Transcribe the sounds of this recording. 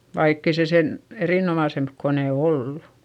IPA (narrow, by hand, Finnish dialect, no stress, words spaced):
ʋɑikː ei se sen eriˑnomɑˑsemp koneˑ olːu